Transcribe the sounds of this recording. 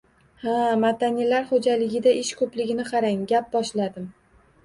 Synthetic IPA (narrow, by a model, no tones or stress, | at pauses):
hamad̪anilaɾχod͡ʒalɪɡʲɪd̪aʔɪʃkʰɵplɪɡʲɪnɪqʰɑɾaŋɡʲap̚bɒʃlad̪ɪm